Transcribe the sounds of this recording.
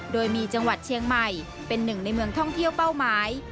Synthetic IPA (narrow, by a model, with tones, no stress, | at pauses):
doː˧jmiː˧t͡ɕa˧ŋwa˨˩t̪̚t͡ɕʰi˧əŋma˨˩j | pe˧nːɯ˨˩ŋna˧jmɯ˧əŋt̪ʰɔ˥˩ŋt̪ʰi˥˩əwpa˥˩wmaː˦˥j